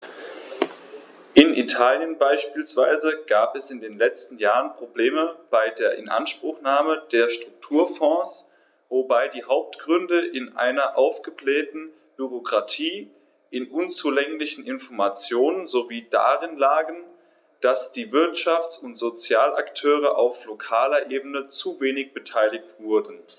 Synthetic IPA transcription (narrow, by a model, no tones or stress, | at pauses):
ʔɪnʔḭtʰaːljənbaɪʃpiːlsv̥aɪzəɡ̥aːpɛsɪndeːnlɛt͡stn̩jaːʁənpʁ̥obleːməb̥aɪdeːɐʔɪ̰nʔa̰nʃpʁ̥ʊxnaːmədeːɐʃtʁ̥ʊk̚tʰuːɐfɔ̃ːs | vobaɪdiːɦaʊp̚tɡ̥ʁʏndəʔɪnʔa̰ɪnɐʔaʊfɡ̥əblɛːtn̩ | b̥yʁokʁ̥atʰiː | ʔɪnʔʊnt͡suːlɛŋlɪçn̩ɪnfɔɐmat͡sjoːnənzoviːda̰ːʁɪnlaːɡən | d̥asd̥iːvɪɐtʃaft͡sʊntz̥ot͡sjaːlʔa̰ktʰøːʁ̞əʔa̰ʊflokʰaːlɐʔeːbənət͡suveːnɪçb̥ətʰaɪlɪçtv̥ʊɐdn̩